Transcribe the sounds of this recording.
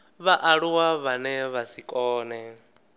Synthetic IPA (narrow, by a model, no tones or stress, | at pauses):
βaʔaɺuwaβanɛβasikʼɔːnɛ